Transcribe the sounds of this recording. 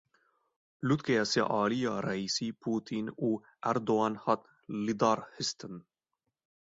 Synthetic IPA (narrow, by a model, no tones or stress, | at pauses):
lut̪kejasḛʔɑːlijɑɾaisipʰuːt̪ʰinu | æɾd̪oanhat̪ | lid̪ɑːɾhist̪ʰən